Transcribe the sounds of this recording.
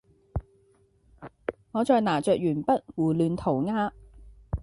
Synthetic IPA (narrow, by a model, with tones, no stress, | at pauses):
ŋɔː˨˧t͡ʃɔː˧jnaː˨˩t͡ʃœː˨k̚jyː˨˩npɐ˥t̚wuː˨˩lyː˨˧nt̪ʰo˨˩wŋaː˥